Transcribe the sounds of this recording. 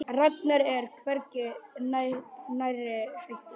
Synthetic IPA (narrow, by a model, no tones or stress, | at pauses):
rat̪naɾɛɾ̥kʰvɛɾcɪnanajrɪhajht̪ɪ